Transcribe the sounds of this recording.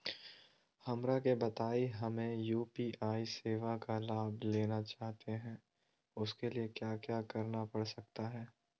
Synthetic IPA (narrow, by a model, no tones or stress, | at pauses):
xɐmɾakebɐt̪aːiɦɐmẽjuːpiːʔaːiseːʋakalaːbleːnat͡ʃaːɦt̪eɦɛ̃ː | ʊskeliekjaːkjaːkɐɾnapɐɽsɐk̚t̪aɦɛː